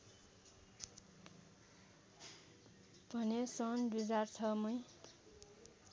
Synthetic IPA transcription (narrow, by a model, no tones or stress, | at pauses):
bʱʌnesʌnd̪ujd͡zart͡sʰʌmʌj